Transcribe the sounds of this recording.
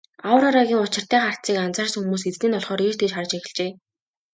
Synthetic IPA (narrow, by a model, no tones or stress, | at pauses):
awə̆ɾaɾaɣʲiːŋʊt͡ɕɪ̆r̥t̪æːχar̥t̪t͡siːkant͡saːrsxumuːs̬et͡sniːnɔɮχɔːɾirt̪eːt͡ɕχar̆t͡ɕexɪ̆ɮt͡ɕeː